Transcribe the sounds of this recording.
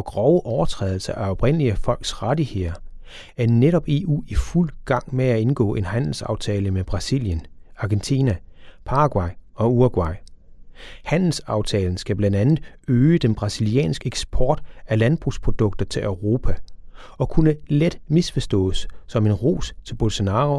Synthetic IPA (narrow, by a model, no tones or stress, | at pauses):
ɒ̽ɡ̥ʁɒʊəʔɒʊɐt͡sʰʁɛ̰ːðˠl̩sɐʔæɒ̽b̥ʁen̰liəfɒ̽l̰ɡ̥sʁɑdiheðˠɐ | æɐneɾɒ̽b̥e̝̰ṵːiful̰ɡ̥ɑ̈ŋ̰meæe̝nɡ̥ɔ̰̽ːʔe̝nhæn̰l̩sɑ̈ʊt͡sʰɛːləmeb̥ʁɑ̈sḭljənɑ̈ɡ̥ent͡sʰiːnæpʰɑ̈ʁɑɡ̥wɑ̈ɪɒ̽uɐɡ̥wɑ̈ɪ | hæn̰l̩sɑ̈ʊt͡sʰɛːln̩sɡ̥æb̥lænd̥ænð̩ˠøːəd̥enb̥ʁɑ̈siliɛ̰ːnsɡ̥eɡ̥sb̥ʰɒːd̥ælænb̥ʁuspʰʁo̝d̥ɔ̽ɡ̥̚d̥ɐt͡sʰe̝lʔøʊʁo̝ːpʰæɒ̽kʰunəled̥misfɒsd̥ɔ̰̽ːsːɒ̽me̝nʁo̝̰ːst͡sʰe̝lb̥o̝lso̝nɑ̈ːo